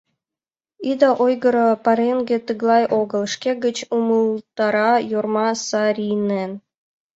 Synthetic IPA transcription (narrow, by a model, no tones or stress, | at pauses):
id̪ɑʔojɡɤ̆ɾɤ̆pɑɾʲenɡʲĕt̪ɯɣlˠɑjʔoɡɤ̆lˠʃkʲeɡə̆t͡ɕumulˠt̪ɑɾɑjurmɑsɑɾʲinen